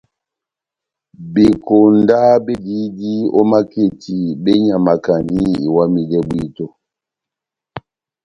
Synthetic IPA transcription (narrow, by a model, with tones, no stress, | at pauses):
be˨ko˨nda˦be˦di˦di˦ɔ˦ma˦ke˨ti˨be˦ɲa˨ma˨ka˨ni˦ḭ˨wa˦mi˨dɛ˦bwi˦to˦